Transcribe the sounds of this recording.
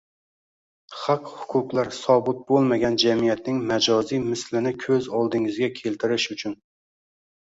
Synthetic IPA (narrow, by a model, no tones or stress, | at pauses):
χɑqhʊ̥qʰʊqlˠæɾsɒbɨt̪̚bolˠmaɡʲɛnd͡ʒɛmijɛt̪nɪŋmɛd͡ʒɑzijmɪslɪnɪkʲʰøzɑlˠd̪ɪŋɪzɡʲɛkʲʰelt̪ʰɪɾɪʃut͡ʃʰyn